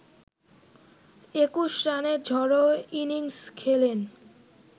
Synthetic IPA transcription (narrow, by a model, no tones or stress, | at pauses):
ekuʃɾaneɾd͡ʑʱɔɾoiniŋskʰelen